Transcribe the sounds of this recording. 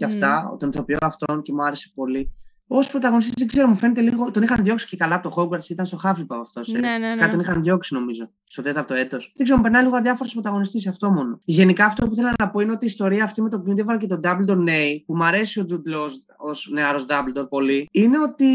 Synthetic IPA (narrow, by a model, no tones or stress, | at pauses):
cɐft̪ɐo̰t̪onθo̞pioɐft̪o̞nce̞muɐɾese̞̥po̞li | ospɾot̪ɐɣonist̪iszd̪eɡze̞ɾomufe̞net̪e̞liɣo̞t̪o̞nixɐnðʝo̞ksi̥cekɐlɐpot̪oxoɡɐɾsit̪ɐnst̪o̞xɐfipɐɐft̪o̞sekɐt̪onixɐnðʝo̞ksino̞mizo̞ | st̪o̞t̪e̞t̪ɐɾt̪o̞e̞t̪o̞sðeɡzeɾompeɾnɐnliɣoɐðʝɐfoɾospɾot̪ɐɣo̞nist̪isɐft̪o̞mo̞no̞ʝe̞nikɐːft̪o̞p̬ui̥θe̞lɐnɐpo̞ineo̞t̪iːst̪o̞ɾiɐːft̪ime̞t̪̬oɡint̪evɐɾɐce̞t̪od̪ɐbld̪oɾne̞ipumɐɾe̞sio̞d̪ud̪los | osne̞ɐɾo̞zd̪ɐbld̪o̞ɾpo̞liine̞o̞t̪i